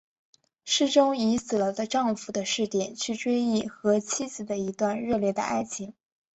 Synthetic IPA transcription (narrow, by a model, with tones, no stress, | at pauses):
ʂɻ̩˥˩ʈ͡ʂʊ˥ŋi˧˥sɹ̩˨˩lə˦d̪ə˧ʈ͡ʂɑ˥˩ŋfu˨˩d̪ə˦ʂɻ̩˥˧t̪jɛ˨˩nt͡ɕʰy˥˩ʈ͡ʂwe˥ɪi˥˩xɤ˧˥t͡ɕʰi˥t͡sɹ̩˨˩d̪ə˩i˧˥t̪wa˥˧nɻɤ˥˧ljɛ˥˩d̪ə̰˩ʔa˥ɪt͡ɕʰi˧˥ŋ